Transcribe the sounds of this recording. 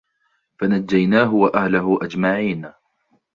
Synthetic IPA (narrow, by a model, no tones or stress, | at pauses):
fanad͡ʒːajnaːɦʊwaʔahlaɦʊʔad͡ʒmaʕiːn